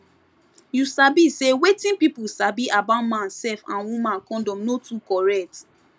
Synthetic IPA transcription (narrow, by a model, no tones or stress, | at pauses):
jusabisewetĩnpipusabiʔabaʊtmãnsɛfãnwũmãnkɔ̃ndɔ̃mnotukɔɹɛk̚t